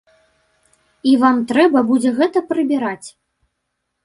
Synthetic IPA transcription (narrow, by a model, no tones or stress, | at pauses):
ivamt̪ɾɛbɐbud͡zʲɛɣɛt̪ɐpɾɨbʲiɾat͡sʲ